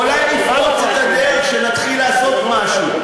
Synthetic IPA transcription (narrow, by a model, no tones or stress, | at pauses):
ulajlifot͡set̪adeʁeχʃenat̪χilːaːso̞t̪maʃu